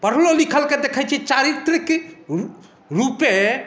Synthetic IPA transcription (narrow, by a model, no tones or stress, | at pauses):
pəɾ̤ɦlolikʰəlked̪ekʰət͡ʃʰɛt͡ʃaɾit̪ɾik | ɾupe